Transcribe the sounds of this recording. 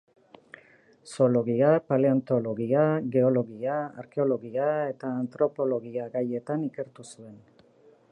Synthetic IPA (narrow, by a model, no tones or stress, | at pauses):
so̞lo̞ɣiapaleant̪o̞lo̞ɣiaɣe̞o̞lo̞ɣiaa̰ɾke̞o̞lo̞ɣiae̞t̪aːnt̪ɾo̞po̞lo̞ɣiaɣaje̞t̪anike̞ɾt̪usue̞n